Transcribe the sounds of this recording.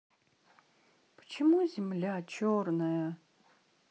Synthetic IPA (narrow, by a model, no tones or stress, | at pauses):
pə̥t͡ɕɪmuzʲɪmlʲat͡ɕʰornəjə